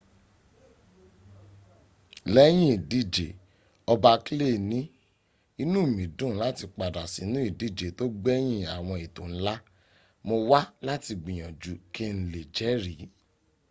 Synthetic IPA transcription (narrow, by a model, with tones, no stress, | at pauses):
lɛ˦j̃ĩ˦i˨di˦˨d͡ʒe˨ | ɔ˧ba˧ki˦le˦˨nĩ˦ | i˧nũ˦˨mĩ˨˦dũ˦˨˦la˦ti˧k͡pa˨da˨si˨˦nũ˦i˦˨di˦˨d͡ʒe˨to˦ɡ͡bɛ˦j̃ĩ˦a˨w̃ɔ̃˧i˨tõ˨n̩˦la˦ | mo˧wa˦la˦ti˧ɡ͡bĩ˨j̃ɔ̃˨d͡ʒu˨˦kʰe˦n̩˨˦le˨d͡ʒɛ˨˦ɾi˨˦